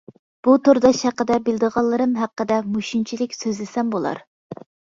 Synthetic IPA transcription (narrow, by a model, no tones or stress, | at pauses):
b̥ut̪ʰoɾd̪ɑʃhæqːəd̪ɛbɪld̪əʁɑlˠːɨɾɨmɦæqːəd̪ɛmuʃint͡ʃʰilɪkʲsøzlɪsɛmbolˠɑ̰ɾ